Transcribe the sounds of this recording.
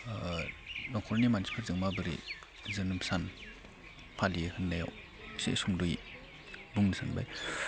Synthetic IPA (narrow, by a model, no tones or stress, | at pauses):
nɔŋkʰɔɾnimansi̥pʰɯɾzɯŋmabɯɾḭ | zɯnɯpsan | pʰalijehɯnːaja̰w | sḛʔsumduj | buŋnɯsanba̰j